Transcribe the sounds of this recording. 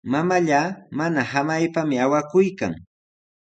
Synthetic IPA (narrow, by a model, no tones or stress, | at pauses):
mamaʎaːmanahamajpamɪawakʊjka̰ŋ